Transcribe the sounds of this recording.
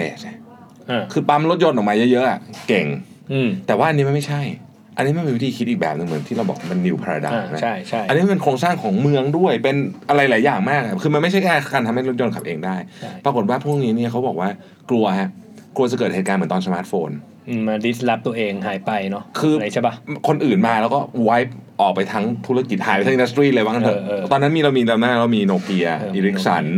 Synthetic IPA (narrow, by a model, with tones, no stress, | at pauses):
ḛː˨˩s | ʔaː˧˩kʰɯː˧pa˧˥mlo˦˥jo˧nʔɔː˨˩kmaː˧jɤ˦˥jɤ˦˥ʔa˨˩ke˨˩ŋ˧˩ | t̪ɛː˨˩waː˥˩ʔa˧nːi˦˥ma˧˥˩ma˥˩jt͡ɕʰa˥˩j | ʔa˧nːi˦˥ma˥˩nmiː˧wi˦˥t̪ʰiː˧kʰi˦˥t̪̚iː˨˩k̚bɛː˨˩p̚nɯ˨˩ŋmɯ˩˦nt̪ʰi˥˩ɾa˧wbɔ̰ː˨˩wa˥˩ma˧nːi˧wpʰa˧ɾa̰˧da̰˨˧˩na̰˦a˥˩jt͡ɕʰa˥˩ja˧nːi˦˥pe˧nkʰoː˧ŋsaː˥˩ŋkʰɔː˨˩˦ŋmɯ˧əŋdu˥˩əjpe˧nʔa˧ɾa˧jlaː˩˦jːaː˨˩ŋmaː˥˩k̚ʔa˨˩kʰɯː˧ma˧nma˥˩t͡ɕʰa˥˩aː˥˩kaː˧nt̪ʰa˧mha˥˩jlo˦˥t̪̚jo˧nkʰa˨˩pʔeː˧ŋdaː˥˩jpɾa˧ko˨˩t̪̚waː˥˩pʰu˥˩k̚niː˦˥ni˥˩ɐkʰa˦˥wbɔː˨˩k̚waː˥˩ | klu˧ɐɦɛ˦˥ | klu˧ɐt͡ɕa˨˩kɤː˨˩t̪̚heː˨˩t̪̚kaː˧nmɯ˩˦t̪ɔː˧nsə˧maː˦˥t̪̚foː˧n | ʔmaː˧di˦˥sla˦˥p̚t̪u˧ɐʔeː˧ŋɦaː˩˦jpa˧jnɔ˦˥kʰɯː˧a˧˦t͡ɕʰa˥˩ba˦˥kʰo˧nʔɯː˨˩nmaː˧lɛː˦˥wkɔː˥˩wa˦˥jp̚ʔɔː˨˩k̚pa˧jt̪ʰa˦˥ŋt̪ʰu˦˥ɾa˧ki˨˩t̪̚haː˨˦pa˧t̪ʰa˦ŋi˧da˧s̬t̪ɾiː˥˩lɤː˧jwa˦˥ka˧nt̪ʰɯ˨˩˧t̪ɔː˧nːa˦˥miː˧ɾa˧wmiː˧la˧na˦˥lɾa˧wmiː˧noː˧ki˧ɐ˧ʔiː˧ɾi˦˥ksa̰˩˦n